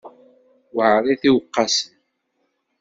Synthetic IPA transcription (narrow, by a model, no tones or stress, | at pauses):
wəʕɾˤiθiwəqːɑsən